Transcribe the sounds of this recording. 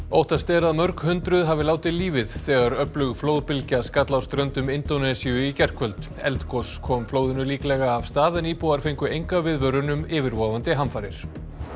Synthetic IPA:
owht̪ast̪ɛːɾðaðmœɾkhʏnt̪ɾʏðɦavɪlaːwt̪ɪliːvɪðθɛːɣaɾœplʏɣflowðpɪlcaskaːt̪lawst̪ɾœnt̪ʏmɪnt̪onɛsiʏicɛr̥kʰvœlt̪ | ɛ̰lt̪kʰɔskʰɔːmfloːwðɪnʏliːklɛːɣaːvst̪aːðaniːpuaɾ̥fejŋkʏejŋkavɪðvœɾʏnʏmɪːvɪɾvɔːvant̪ɪɦamfaːɾɪ̰ɾ̥

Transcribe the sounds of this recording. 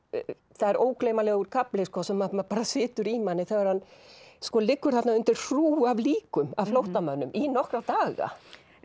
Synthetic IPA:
θaðɛɾoːwklejmalɛɣoɣʏɾ̥kaplɪskɔsɛmːamapaːɾasɪːt̪ʏɾimanːɪθɛɣaɾ̥hanskɔːlɪkːʏɾ̥θaht̪naʏnt̪ɪɾ̥θuːavliːkʏma̰vflowht̪amœnːʏmʔinɔhkɾat̪aːɣa̰

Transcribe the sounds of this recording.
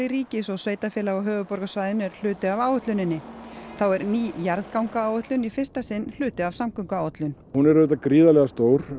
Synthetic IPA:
ɪɾiːcɪsɔɣsveːjt̪afjɛːlaɣɔɦœːvʏpɔɾɣasvaːjðʏnɛɾ̥l̥ʏːt̪ɪavaːwœht̪lʏnɪnːɪθawɛɾniːjaɾðkawŋkaaːwœht̪lʏnifɪr̥st̪asɪnːl̥ʏːt̪ɪavsamkœwŋkaaːwœt̪lʏn | hunɛɾʏːt̪̬akɾiːðalɛɣast̪oːwɾ̥

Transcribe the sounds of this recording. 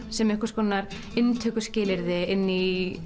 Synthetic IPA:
sɛmɛhkʏɾ̥skɔːnaɾ | ɪnt̪ʰœːkʏscɪːlɪɾðɪɪnːi

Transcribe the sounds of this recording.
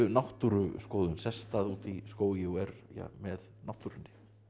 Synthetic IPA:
ʏnawht̪uɾʏskoːwðʏnsɛst̪aðuːt̪iskoːwjɛɛɾja̰mɛðnawht̪uɾʏnːɪ̥

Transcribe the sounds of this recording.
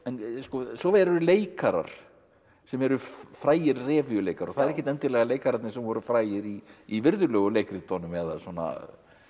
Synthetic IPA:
ɛnskɔsɔvɛɾɾʏleːjkaɾa̰ɾ̥ | sɛmɛɾʏfɾaːjɪɾrɛːvijʏleːjkaɾɔθaðɛɾɛçcːɛt̪ɛnt̪ɪɾlɛɣaleːjkaɾat̪nɪsɛmvɔɾʏfɾaːjɪɾiːvɪɾðʏlœːɣʏlejkɾit̪ɔnʏmɛða̰sɔna̰

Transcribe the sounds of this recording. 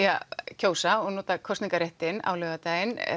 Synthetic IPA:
acʰoːwsaɔɣnoːt̪akʰɔsniŋkaɾeht̪ɪna̰wlœːɣat̪aːjɪn

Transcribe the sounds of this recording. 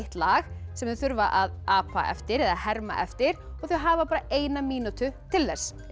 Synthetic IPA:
ht̪laːɣsɛmʏθʏɾvaʔaðaːpa̰ɛ̰ft̪ɪɾɛðahɛɾma̰ʔɛft̪ɪɾ̥ɔɣθœɥɦaːvapaːɾaeːjnamiːnut̪ʏt̪ʰɪlvɛɾ̥s

